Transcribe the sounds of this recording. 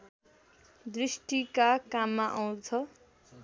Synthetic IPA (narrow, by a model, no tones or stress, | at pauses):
d̪risʈikakamːaʔʌw̃t͡sʰʌ